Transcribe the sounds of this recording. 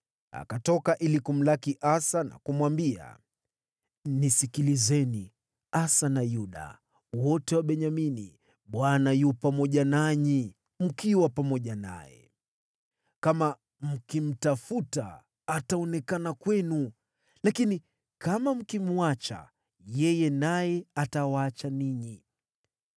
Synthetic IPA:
a̰katɔkaʔilikum̩lakiʔasana̰kumwambia̰ | nisikilizɛni | asanajuɗa̰ | wɔtɛwaɓɛɲaminḭ | ɓwanajupamɔʄanaɲi | m̩kiwapamɔʄana̰jɛ̰ | kama | m̩kim̩tafuta̰ː | taɔnɛkanakwɛnu | lakini | kamam̩kim̩at͡ʃa̰ | jɛjɛnajɛatawaat͡ʃaniɲi

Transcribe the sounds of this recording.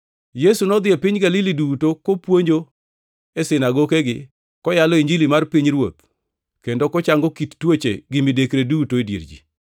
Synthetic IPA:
jesunɔd̪ɪepɪɲɡalɪlidutokopwoɲd͡ʒo | esɪnaɡokeɡɪ | kɔjalɔiɲd͡ʒilimarpiɲɾwot̪ | kendokɔt͡ʃaŋɡɔkit̪twot͡ʃḛɡɪmɪdekɾedutoedjḛɾd͡ʒḭ

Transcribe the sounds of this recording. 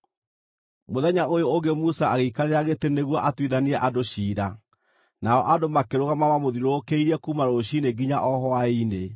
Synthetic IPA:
moðɛɲaʔojooɡemusaaɣeikaɾeɾaɣeteneɣwɔʔatwiðaniɛʔadoɕiːɾa | naɔʔadomakeɾoɣamawamoðiɾoːkeiɾɛkumaɾoɕineɡiɲaʔɔɦɔaine

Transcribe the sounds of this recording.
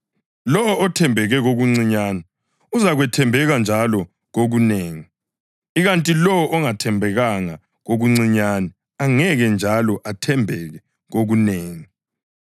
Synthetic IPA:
lɔɔɔtʰɛmbʱɛɣɛɣoɣuŋ͡ǀiɲaːnɛ | uzaɣwɛtʰɛmbʱɛɣand͡ʒʱalɔ | ɣoɣuneːŋi | iɣantʼilɔwɔʔɔŋatʰɛmbʱɛɣaŋa | ɣoɣuŋ͡ǀiɲanɛ | aŋɛɣɛnd͡ʒʱalɔʔatʰɛmbʱɛɣɛ | ɣoɣuneːŋi

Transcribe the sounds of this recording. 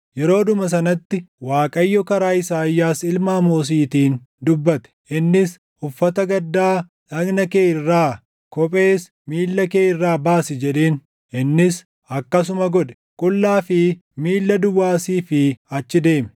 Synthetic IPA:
jɛɾo̞ːd̪ʊmɐs̬ɐnɐt̪ːɪwaːkʼɐjːɔkɐɾaːɪsaːjːaːsɪlmaːmoːs̬iːt̪iːn | d̪ʊbːɐt̪ɛ̥ʔɪnːɪs | ʊfːɐt̪ɐɡɐd̪ːaː | ᶑɐɡnɐke̞ːɪrːaː | kɔpʼe̞ːs | miːlːɐke̞ːɪrːaːbaːsɪd͡ʒɛᶑe̞ːn | ʔɪnːɪs | ɐkːɐs̬ʊmɐɡɔᶑɛ̥ | kʼʊlːaːfɪmiːlːɐd̪ʊwːaːsiːfɪɐt͡ʃːɪd̪e̞ːmɛ̥

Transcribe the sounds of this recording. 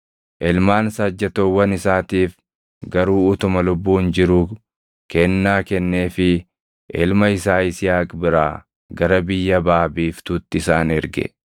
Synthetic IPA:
ʔɛlmaːnsɐd͡ʒːɐt̪oːwːɐnɪsaːt̪iːf | ɡɐɾuːʊt̪ʊmɐlʊbːuːnd͡ʒɪɾuː | kɛnːaːkɛnːe̞ːfɪ | ʔɛlmɐɪsaːɪsɪjaːkʼbɪɾaː | ɡɐɾɐbɪjːɐbaːbiːft̪uːt̪ːɪɪsaːnɛɾɡɛ̰

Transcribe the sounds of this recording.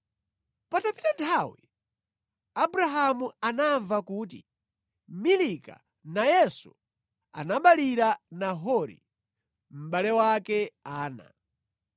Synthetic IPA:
patapitantʰawḭ | abuɾaɦamuanaɱvakuːt̬ḭ | milika̰ | najɛsṵ | a̰naɓaliɾanaɦɔɾḭ | m̩ɓalɛwakɛaːna̰

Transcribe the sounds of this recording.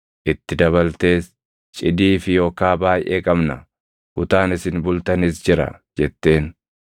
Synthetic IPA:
ʔɪt̪ːɪd̪ɐβɐlt̪e̞ːs | t͡ʃʼɪd̪iːfɪjo̞ːkaːbaːjʔeːkʼɐmnɐ | kʊt̪aːnɪsɪnbʊlt̪ɐnɪsd͡ʒɪɾɐ̰d͡ʒɛt̪ːe̞ːn

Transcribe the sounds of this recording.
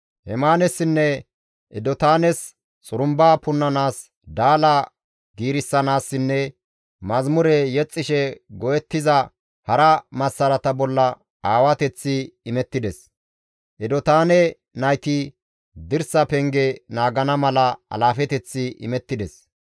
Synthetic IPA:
hɛmaːnɛsːɪnːɛ | ʔɪd̪ɔt̪aːnɛs | t͡sʼʊɾʊmbaːpʊnːɐnaːs | d̪aːlɐ | ɡiːɾɪsːɐnaːsːɪnːɛ | mɐzmʊɾɛjɛt͡sʼːɪʃɛɡɔjɛt̪ːɪzɐ | hɐɾɐmɐsːɐlɐt̪ɐbɔlːɐ | aːwɐt̪ɛt͡sːɪɪmɛt̪ːɪd̪ɛs | ʔɛd̪ɔt̪aːnɛ | nɐjt̪ɪ | d̪ɪɾsɐpɛŋɡɛnaːɡɐnɐmɐlɐɐ̰laːfɛt̪ɛt͡sːɪʔɪ̰mɛt̪ːɪd̪ɛs

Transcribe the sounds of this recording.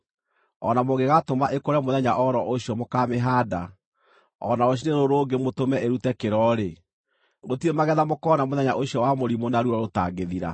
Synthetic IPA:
ɔ̰namoɣeɣatomaʔekoɾɛmoðɛɲaʔɔɾɔʔoɕjɔmokameɦaːda | ɔ̰naoɕ̬ineɾoɾoːɡemotomɛʔeɾutɛkeɾɔɾe | ɣotiɾemaɣɛðamokɔnamoðɛɲa̰ʔoɕiɔwamoɾimonaɾuɾɔɾota̰ːɡeðiɾa̰

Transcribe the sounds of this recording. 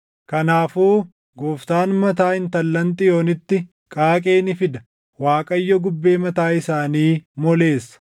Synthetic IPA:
kɐnaːfuː | ɡoːft̪aːnmɐt̪aːɪnt̪ɐlːɐnt̪ʼɪjo̞ːnɪt̪ːɪ | kʼaːkʼe̞ːnɪfɪd̪ɐ | waːkʼɐjːɔɡʊbːe̞ːmɐt̪aːɪsaːniːmɔle̞ːsːɐ̥

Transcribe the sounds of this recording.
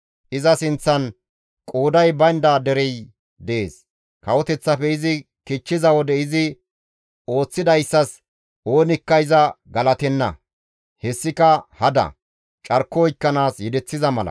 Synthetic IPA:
ʔɪzɐsɪnt͡sːɐn | kʼoːd̪ɐjbɐnd̪aːd̪ɛɾɛj | d̪ɛʔḛːs | kɐwɔt̪ɛt͡sːɐpɛɪzɪ | kɪt͡ʃːɪzɐwɔd̪ɛɪzɪ | o̞ːt͡sːɪd̪ɐjsːɐs | ʔo̞ːnɪkːɐjzɐɡɐlɐt̪ɛnːɐ̰ | hɛsːɪkɐhɐd̪ɐ̰ | t͡ʃʼɐɾkːɔjkːɐnaːsjɛd̪ɛt͡sːɪzɐmɐlɐ̰

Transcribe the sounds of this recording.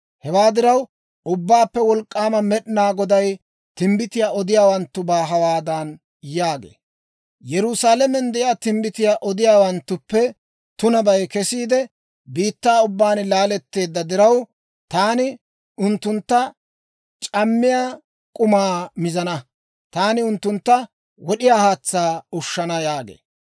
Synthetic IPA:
hɛwaːd̪ɪɾɐw | ʊbːaːpːɛwɔlkʼːaːmɐmɛɗɪnaːɡɔd̪ɐj | t̪ɪmbɪt̪ɪjaːʔɔd̪ɪjaːwɐnt̪ːʊbaːɦɐwaːd̪ɐn | jaːɡḛː | jɛɾʊsaːlɛmɛnd̪ɛjaːt̪ɪmbɪt̪ɪjaːʔɔd̪ɪjaːwɐnt̪ːʊpːɛ | t̪ʊnɐbɐjkɛsiːd̪ɛ | biːt̪ːaːʊbːaːnlaːlɛt̪ːe̞ːd̪ːɐd̪ɪɾɐw | t̪aːnɪ | ʊnt̪ːʊnt̪ːɐ | t͡ʃʼɐmːɪjaː | kʼʊmaːmɪzɐnɐ | t̪aːnɪʊnt̪ːʊnt̪ːɐ | wɔɗɪjaːhaːt͡sːaːʊʃːɐnɐjaːɡḛː

